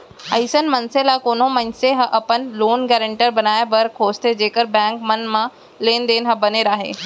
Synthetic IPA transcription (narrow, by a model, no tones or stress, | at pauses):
ɐ̰ɪsənmɐnselakoːn̤õmɐ̃ɲseɦɐʔɐpənloːnɡɛːɾə̃ɳʈəɾbɐnaːebɐɾkʰoːst̪ʰed͡ʑeːkəɾbɛ̃ːŋkmɐnmã | leːnd̪eːnɦɐbɐneɾaːɦḛː